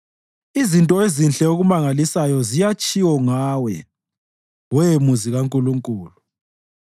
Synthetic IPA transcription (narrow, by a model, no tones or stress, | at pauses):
izintʼɔezinɬʼɛoɣumaŋalisajɔzijat͡ʃʼiwɔŋaːwɛ | wɛmuziɣaŋkʼuluŋkʼuːlu